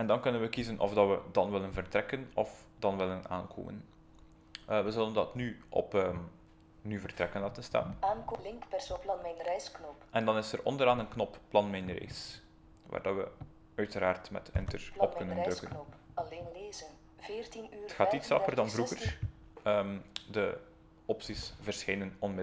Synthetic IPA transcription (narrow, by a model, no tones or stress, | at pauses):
ɛndɑnkɵnənʋəkizənʔɔ̰vdɑtʋədɑnʋɪlˠənvərtrɛkənɔf | dɑnʋɪləna̰ːnkʰo̰ːmə̰n | əʋəzəldəndɑtnyʔɔ̰pəm | nyvərtɾɛkəndatənstɛ̰maːnkolɪŋkpɛrsoplɑnmɛnrɛjsknɔpʔɛndɑnɪsərʔɔ̰ndəɾaːnənknɔpːlɑnmɛnrɛ̰js | ʋa̰ːrdɑtʋə | œɥtəɾaːrtmɛ̰tɪ̰ntərɔp̚kɵnəndɾɵkənɔpɑleːnleːzən | veːrtinyːətxaːtitsɑpərdɑnvruɣər | ədə | ɔpsisvərsxejnənɔnmɪ